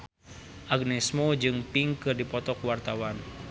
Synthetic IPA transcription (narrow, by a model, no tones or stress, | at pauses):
ʔaɡnɛsmod͡ʒɨŋpiŋkɨrdipɔt̪ɔkuwart̪awan